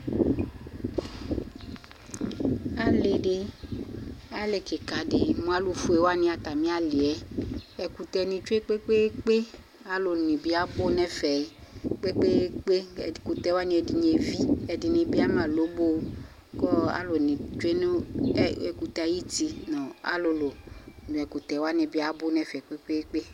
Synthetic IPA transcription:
a˦le˨de˧ | a˦le˨ke˨ka˨de˨mũ˧a˦lu˦fu˧e˨˦wa˦nĩ˧˦a˧ta˨mĩ˦a˦le˨ɛ˨ɛ˧ku˧tɛ˧nĩ˧t͡ʃu˦e˦k͡pe˦k͡pe˦k͡pe˦ | a˨˦lo˨nĩ˨bi˧a˨˦bo˦nɛ˦fɛ˨k͡pe˦k͡pe˦k͡pe˦ɛ˧i˨ku˧tɛ˧˦wa˦nĩ˧ɛ˧di˧ɲe˧vi˦ɛ˧di˧nĩ˧bi˦a˦mãː˦˨lo˨˦bo˦˧ | kɔ˦a̰˦lo˨nĩ˨t͡ʃwe˦nu˦ɛ˧˨ku˨˧tɛ˧˦ji˦ti˧nɔ̃˨a̰˦lo˧lo˨dũ˨ɛ˨ku˨tɛ˨˦wa˦nĩ˧bi˦a˦bo˦nɛ˦fɛ˨k͡pe˦k͡pe˦k͡pe˦

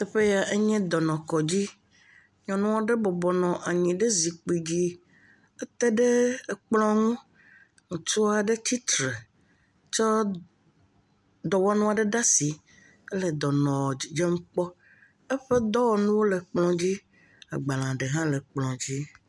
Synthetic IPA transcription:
t̪ɛ˦ɸe˦ja˨ʔe˦ɲɛ̃˦d̪ɔ˨nɔ̃˨kɔ˨d͡ʑi˦ | ɲɔ̃˨nũ˦wɔ˦ɖe˦bɔ˨bɔ˨nɔ̃˨ʔa˨ɲĩ˨ɖe˦zi˨k͡pi˨d͡ʑi˦ | e˦t̪e˦ɖe˦˨k͡plɔ̃˦ŋũ˦ | ŋũ˨t͡ʃu˦a˨ɖe˦t͡ɕ̪i˦t̪ɾe˨ | t͡ʃɔ˦ | d̪ɔ˨wɔ˦nũ˦a˨ɖe˦ɖa˦si˨ | e˦le˨d̪ɔ˨nɔ̃˨i˨d͡ʒe˦ŋũ˦k͡pɔ˦ | ɛ˦ɸe˦d̪ɔ˦wɔ˨nũ˦wo˦le˨k͡plɔ̃˦d͡ʑi˦ | a̰˨ɡ͡ba˨lã˨ɖe˨ɦã˦le˨k͡plɔ̃˨d͡ʑi˦

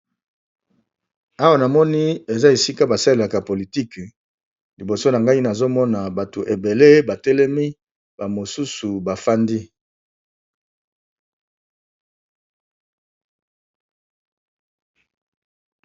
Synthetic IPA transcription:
a˦wa˦na˨mɔ˦ni˦e˨za˦e˨si˦ka˦ba˨sa˦le˨la˨ka˨po˨li˨ti˦k | li˨bo˨so˦na˨ŋɡa˦i˦na˨zo˦mɔ˦na˨ba˨to˨ʔe˨be˨le˦ba˨tɛ˦lɛ˦mi˦ | ba˨mo˨su˦su˨ba˨fa˦ndi˦

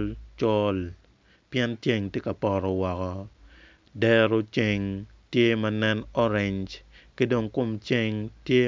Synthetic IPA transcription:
lt͡ʃɔ˦l | pjɛ˦nt͡ʃje˦ŋtje˦ka˨pɔ˨ɾɔ˨wɔ˨kɔ˨ | dɛ˦ɾo˦t͡ʃe˨ŋ | tje˦mɐ˦nɛ˦nɔ˦ɾe˨ɲd͡ʒke˦do˨ŋkʊ˦mt͡ʃe˦ŋtje˦

